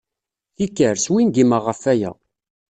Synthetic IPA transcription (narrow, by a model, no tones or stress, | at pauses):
θikːəɾswinɡiməʁəfæjæ̰